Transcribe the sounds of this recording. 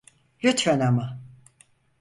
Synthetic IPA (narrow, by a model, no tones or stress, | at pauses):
lʲyt̪fɛnama